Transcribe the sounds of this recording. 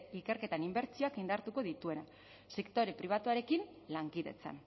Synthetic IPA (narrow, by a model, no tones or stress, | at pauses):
ike̞ɾke̞t̪animbe̞ɾt͡sio̞akind̪aɾt̪uko̞ðit̪ue̞na | sekt̪o̞ɾepɾiβ̞at̪uaɾe̞kin | laŋkiðe̞̰t͡sa̰n